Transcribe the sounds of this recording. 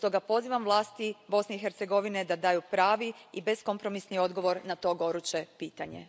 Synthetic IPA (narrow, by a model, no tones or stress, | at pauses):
st̪o̞ɡapo̞ziːʋamʋlˠaːst̪ibo̞sneixe̞ɾt̪se̞ɡo̞ʋined̪ad̪aːjupɾaːʋiibe̞sko̞mpɾo̞misnio̞d̪ɡo̞ʋo̞ɾnat̪o̞ɡo̞ɾut͡ɕe̞piːt̪aɲḛ